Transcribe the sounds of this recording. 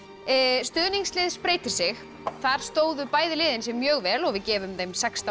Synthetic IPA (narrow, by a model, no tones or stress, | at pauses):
st̪ʏːðniŋslɪːðspɾeːjt̪ɪ̥sɪx | θaɾ̥st̪oːwðʏpaːjðɪlɪːðɪnsɪmjœːɣvɛːlɔɣvɪðcɛːvʏmðejmsɛkst̪a